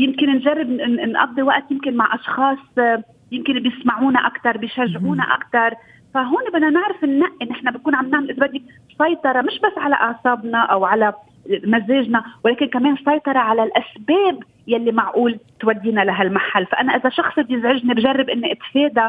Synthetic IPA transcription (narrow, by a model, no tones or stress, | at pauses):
jɪmkɪnnʒarˤːɪbnnʔɑ̰d̪ˤːiwaʔt̪jɪmkɪnmaʕʔɑʃxɑːsˤ | jɪmkɪnbjɪsmaʕuːnaʔakt̪ɑɾˤbɪjʃaʒːʕuːna̰ʔa̰kt̪ɑɾˤ | faɦoːnebɪʔnːanɪʕɾɪfʔɪnːaʔʔɪnːɪħnabɪt̪̚kuːnʕamnɪʕmɪlʔɪzabad̪ːik̚ | sˤɑjt̪ˤɑɾˤɑmɪʃbasːʕala̰ʔɑʕsˤɑːbnaʔawʕala | mazeːʒnawleːkɪnkameːnsˤɑjt̪ˤɑɾˤɑʕalalʔasbeːb | jalːimaʕʔuːlt̪wad̪ːinalaɦalmaħalːfaʔanaʔɪzaʃɑxsˤbjɪzʕɪʒnibʒarˤːɪbʔɪnːiʔɪt̪feːd̪a